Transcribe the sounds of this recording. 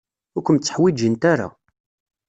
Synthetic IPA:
ʊɾkʷəmt͡sːə̥ħwid͡ʒənt̪aɾa̰

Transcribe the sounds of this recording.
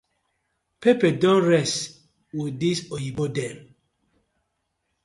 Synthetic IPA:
pepɛdɔ̃nɹɛst | widisojibodɛ̃m

